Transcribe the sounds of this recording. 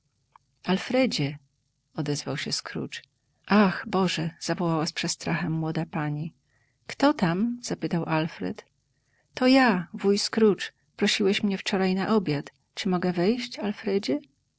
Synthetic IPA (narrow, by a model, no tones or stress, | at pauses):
alfɾɛd͡ʑɛ | ɔd̪ɛzvawɕɛskɾṵt͡ʂ | ʔaxbɔʐɛz̥avɔwawaspʂɛst̪ɾaxɛmːwɔd̪apaɲi | kt̪ɔt̪amz̥apɘt̪awʔalfɾɛ̰t̪ː | ɔjavujskɾut͡ʂ | pɾɔɕiwɛɕmɲɛft͡ʂɔɾajnaʔɔbʲjat̪ | t͡ʂɨmɔɡɛvɛjɕt͡ɕalfɾɛd͡ʑɛ